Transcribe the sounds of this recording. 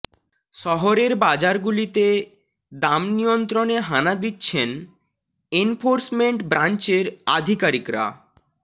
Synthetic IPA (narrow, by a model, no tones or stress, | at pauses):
ʃɔɦoɾeɾbad͡ʑaɾɡulit̪e | d̪amnijont̪ɾoneɦanad̪itːɕʰen | enfoɾsmeɳʈbɾant͡ɕeɾa̰d̪ʱikaɾikɾa̰